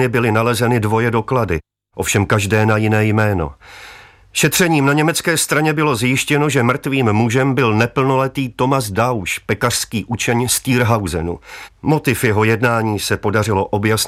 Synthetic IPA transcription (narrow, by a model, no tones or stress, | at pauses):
ɪbɪlɪnalɛzɛnɪdvo̞jɛdo̞kladɪ | ʔo̞fʃɛmkaʒdɛːnajɪnɛːjmɛːno̞̰ | ʃɛt̪r̝̥ɛɲiːmnaɲɛmɛt͡skɛːst̪ɾaɲɛbɪlo̞zjɪʃcɛno̞ʒɛmr̩t̪viːmːuʒɛmbɪlnɛpl̩no̞lɛt̪iːt̪o̞mazdawʃpɛkar̥skiːʔut͡ʃɛɲst̪iːɾɦawzɛ̰nṵmo̞t̪ɪfjɛɦo̞jɛdnaːɲiːsɛpo̞darɪlo̞ʔo̞bjas